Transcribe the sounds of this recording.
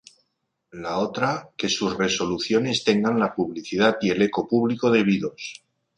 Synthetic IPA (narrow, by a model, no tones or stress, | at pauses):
lao̞t̪ɾake̞suzre̞so̞luθjo̞ne̞st̪e̞ŋɡanlapuβ̞liθiðat̪ie̞le̞ko̞puβliko̞ðe̞β̞iðo̞s